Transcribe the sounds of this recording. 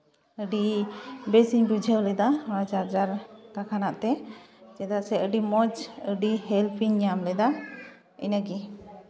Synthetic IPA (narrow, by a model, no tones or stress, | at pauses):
əɖibɛsiɲbud͡ʒʱəwlɛd̪aad͡ʒaɾd͡ʒaɾkakʰanaʔt̪ɛt͡ʃɛd̪asɛəɖimɔd͡ʒəɖihɛlpʰiɲamlɛd̪a | ə̰nəɡi